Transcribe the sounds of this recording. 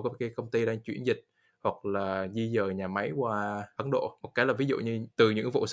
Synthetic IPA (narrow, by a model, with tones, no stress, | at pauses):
kkaː˨˦jkə˧wŋ͡mt̪i˧ɗaː˧ŋt͡ɕwḭ˧˩ənzï˨˩k̟̚ | hwa˨˩k̚laː˨˩zi˧zəː˨˩ɲaː˨˩ma˨˦jkwaː˧ʔə˨˦nɗo̰˧˨mo˨˩t̚kaː˨˦jlaː˨˩vi˨˦zṵ˧˨ɲɨ˧t̪ɨ˨˩ɲɨ̰˧˥ŋvo̰˧˨s